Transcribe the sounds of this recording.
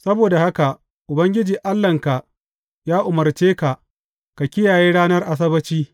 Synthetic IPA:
sɐ˦boː˨da˨ha˦ka˨ | ʔʊ˨bɐ˦ŋɡʲɪ˦d͡ʒiː˨ʔa˦lːɐ˨ŋka˨ʔ | jaː˦ʔʊ˨mɐ˨rt͡ʃeː˦ka˨ʔ | ka˨kʲɪ˦jaː˨jeː˦ɽaː˦nɐ˦rʔa˨s̬ɐ˦bɐ˦t͡ʃiː˦

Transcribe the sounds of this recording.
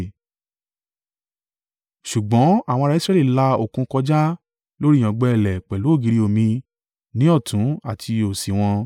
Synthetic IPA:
ʃu˨ɡ͡bɔ̃˨˦a˦˨w̃ɔ̃˧ɾa˧i˦sɾɛ˦li˦˨la˧o˨kũ˧kɔ˧d͡ʒa˦ | lo˦ɾi˦˨j̃ã˨ɡ͡bɛ˧ɛ˦˨lɛ˨k͡pɛ˨lo˨˦o˦˨ɡi˧ɾi˧˦o˨mĩ˧ | nĩ˦ɔ˦˨tũ˨˦a˦˨tʰi˧o˨si˨w̃ɔ̃˧

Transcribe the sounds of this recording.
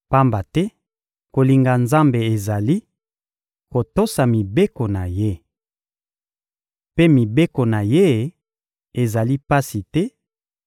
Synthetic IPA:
pa˦mba˨tɛ˦ | ko˨li˨ŋɡa˨nza˦mbe˨e˨za˨li˦ | ko˨to˦sa˨mi˨be˦ko˨na˨je˦ | pe˦mi˨be˦ko˨na˨je˦ | e˨za˨li˦pa˦si˨tɛ˦

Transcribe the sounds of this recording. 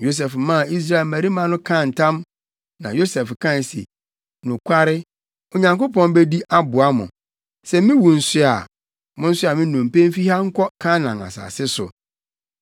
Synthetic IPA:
jo˦s̬ɛ˨fmã˦˨i˦s̬ɾa˦e˨lmæ˨ɾi˦mã˨nʊ̃˦kʰã˦˨n̩˨tʰã˦m | nã˨jo˦sɛ˨fkʰã˦˨n˨sḭ˨ | nʊ̃˨kʰʷa˦ɾɪ˦ | o˨ɲã˨ŋko˦pʰɔ̃˦nbɛ˦di˦ʔa˦bʊ˨a˦mʊ̰̃˨ | sɛ˦mɪ̃˦wu˨n̩˨sʊ˦a˨ | mʊ̃˦n̩˦sʊ˦a˨mɪ̃˦nʊ̃˨m˨pẽ˦m˦fi˦ha˦ŋ̩˦kʰɔ˦kʰa˦nã˨na̰˨sa̰ː˨sɪ˦sʊ̰˨

